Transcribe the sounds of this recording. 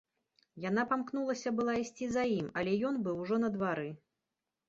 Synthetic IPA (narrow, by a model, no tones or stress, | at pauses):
janapamknulˠɐsʲɐbɨlˠaisʲt͡sʲizajimɐlʲɛjɔnbɨwʐɔnɐd̪vaɾɨ